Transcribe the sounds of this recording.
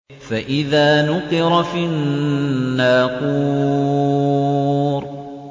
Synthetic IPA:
faʔɪðaːnʊqɨɾˤfinː | aːquː | ɾ

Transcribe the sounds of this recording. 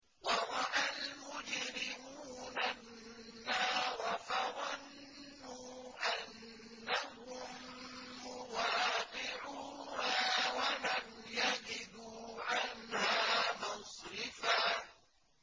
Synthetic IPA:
wɑɾˤɑʔalmʊd͡ʒɾɪmuːnanː | aːɾˤɑfaɾˤanː | uːʔanː | ahʊmː | ʊwaːqɪʕuːnawalamjad͡ʒɪd̪uːʕanhaːmɑsɾɪfaː

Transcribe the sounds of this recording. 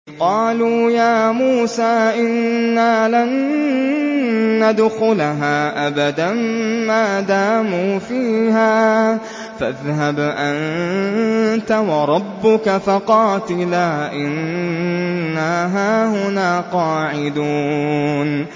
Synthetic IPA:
qɑːluːjaːmuːsaːʔɪnːaːlan | ad̪ʊxʊlaɦaːʔabad̪ammaːd̪aːmuːfiːhaː | faðhabʔan | t̪awɑɾˤɑbːʊkafaqɑːt̪ɪlaːʔɪnnː | aɦaːhʊnaːqɑːʕɪd̪uːn

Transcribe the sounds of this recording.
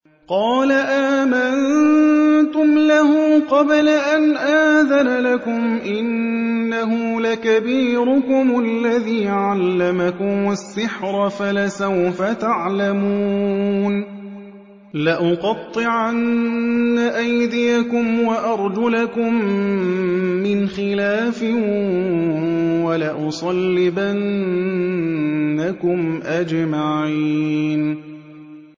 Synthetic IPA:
qɑːlaʔaːman | t̪ʊmlahʊːqɑblaʔanʔaːðanalakʊmʔɪnːaɦʊlakabiːɾʊkʊmalːaðiːʕalːamakʊmasːɪħɾˤfalasawfat̪aʕlamuːn | laʔʊqɑt̪ˤːɨʕanː | aʔajd̪ɪjakʊmwaʔɑɾˤd͡ʒʊlakʊm | ɪnxɪlaːfɪ | walaʔʊsˤɑlːɪban | akʊmʔad͡ʒmaʕiːn

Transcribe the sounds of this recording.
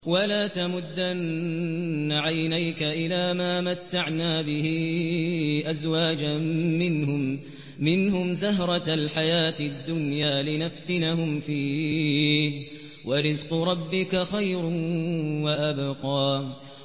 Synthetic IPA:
walaːt̪amʊd̪ːanː | aʕajnajkaʔɪlaːmaːmat̪ːaʕnaːbɪhi | ʔazwaːd͡ʒaːɪnhʊ | mɪnhʊmzaɦɾˤɑalħajaːt̪ɪd̪ːʊnjaːlɪnaft̪ɪnahʊmfiː | wʔaɾɪzqʊɾˤɑbːɪkaxajɾ | waʔabqɑː

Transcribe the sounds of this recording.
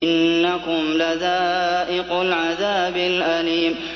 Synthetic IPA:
ɪnːakʊmlaðaːʔɪqʊlʕaðaːbɪlʔaliːm

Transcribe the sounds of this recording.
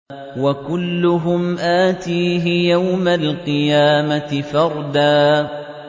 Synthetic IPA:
wakʊlːʊɦʊmʔaːt̪iːɦɪjawmalqɨjaːmat̪ɪfɑɾˤd̪aː

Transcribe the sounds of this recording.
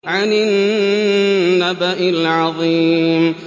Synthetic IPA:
ʕanɪn | abaʔɪlʕɑðˤiːm

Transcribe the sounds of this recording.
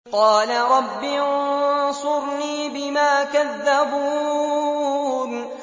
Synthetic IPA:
qɑːlaɾˤɑbːinsʊɾniːbɪmaːkaðːabuː | n

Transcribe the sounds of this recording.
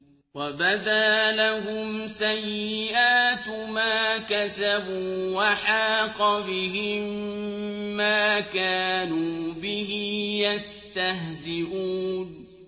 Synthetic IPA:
wabad̪aːlaɦʊmsajːɪʔaːt̪maːkasabuːwaħaːqɑbɪɦɪmː | aːkaːnuːbɪhɪjast̪aɦzɪʔuːn

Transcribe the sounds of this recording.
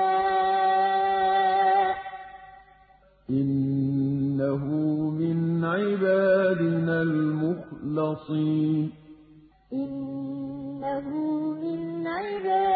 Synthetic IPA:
ʔɪnː | aɦʊmɪnʕɪbaːd̪ɪnaːlmʊxlɑsˤiːnn | ʔɪnː | aɦʊmɪnʕɪbaː

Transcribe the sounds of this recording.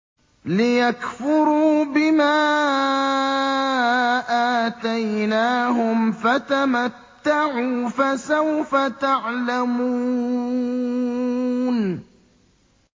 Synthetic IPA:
lɪjakfʊɾuːbɪmaː | ʔaːt̪ajnaːɦʊmfat̪amat̪ːaʕuːfasawfat̪aʕlamuː | n

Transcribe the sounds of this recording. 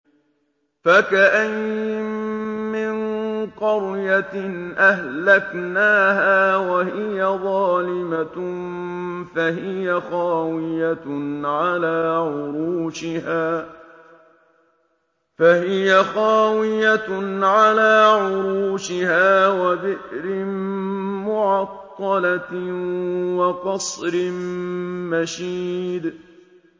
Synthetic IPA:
fakaʔaj | mɪnqɑɾjanʔahlaknaːɦaːwahɪjaðˤɑːlɪma | faɦɪjaxaːwɪjaʕalaːʕʊɾuːʃɪhaː | fahɪjaxaːwɪjanʕalaːʕʊɾuːʃɪhaːwabɪʔɾɪ | mʊʕɑqːɑla | wɑqɑsˤɾɪmmaʃiːd̪

